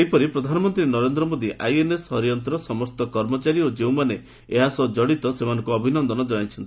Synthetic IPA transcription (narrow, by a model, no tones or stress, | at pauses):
epɔɾipɾɔd̪ʱanɔmɔnt̪ɾinɔɾend̪ɾɔmod̪iʔajenesɦɔɾijɔnt̪ɾɔsɔmɔst̪ɔkɔɾmɔt͡ʃaɾiod͡ʒewmane | eɦasɔd͡ʒɔɽit̪ɔsemanɔ̃ŋkuɔbʱinɔnd̪ɔnɔd͡ʒɔɽajt͡ʃʰɔnt̪i